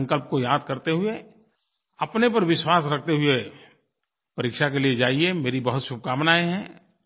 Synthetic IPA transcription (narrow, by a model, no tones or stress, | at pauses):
ŋkəlp̚kojaːd̪̚kɐɾt̪eɦʊe | ɐpnepɐɾʋɪʃwaːsɾɐk̚ʰt̪eɦʊe | pɐɾikʃakelied͡ʒaːiemeːɾibɐɦʊt̪ʃʊb̚kaːmnaːeɦɛ̃ː